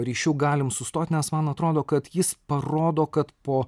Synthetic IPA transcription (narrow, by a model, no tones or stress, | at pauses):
ɾʲiːʃʲuːɡɑːlʲɪmsʊst̪oːt̪ʲnʲɛsmɐnɐt̪ɾoːd̪oːkɐt̪jɪspɐɾoːd̪oːkɐt̪poː